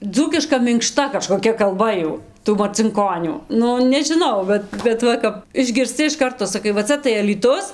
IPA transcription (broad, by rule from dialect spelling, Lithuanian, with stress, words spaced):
ˈd͡zuːkʲɪʃkɐ mʲɪŋkˈʃtɐ kɐʃkoːˈkʲɛ kɐlˠˈbɐ ˈjuː tuː mɐrʲt͡sʲɪŋˈkoːnʲuː ˈnʊ nʲɛʒʲɪˈnɐʊ ˈbʲɛt bʲɛt ˈʋɐ kɐp ɪʒʲɡʲɪrʲsʲˈt͡sʲɪ ɪʃ ˈkɐrtoː sɐˈkɐɪ ʋɐ ˈt͡sɐ tɐɪ ɐlʲiːˈtʊs